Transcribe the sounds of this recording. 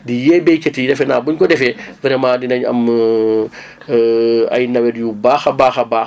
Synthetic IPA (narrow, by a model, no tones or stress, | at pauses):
dijɛbɛjkɐtidɛfɛnaːbuɲkɔdɛfɛvɛɾɛmadinɐɲɐ̰m | ɐ̰jnɐwɛdjubaːxɐbaːxɐbaː